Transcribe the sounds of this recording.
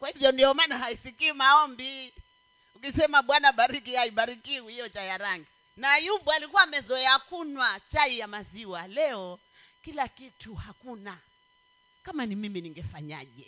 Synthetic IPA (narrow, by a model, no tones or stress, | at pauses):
kwahivjɔndiɔmanaɦaisikiːmaɔmbi | ukisɛmaɓwanaɓaɾikihaiɓaɾikiuhijɔt͡ʃajaɾaŋɡi | najuɓualikuwaːmɛzɔɛakunwat͡ʃaijamaziwalɛɔ | kilakituhakuna | kamanimiminiŋɡɛfaɲa̰ʄɛ̰